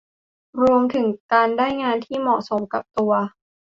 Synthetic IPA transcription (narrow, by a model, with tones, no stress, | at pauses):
ɾu˧əmt̪ʰɯ˩˦ŋkaː˧ndaː˥˩jŋaː˧nt̪ʰiː˥˩mɔː˨˩so˩˦mka˨˩p̚t̪u˧ɐ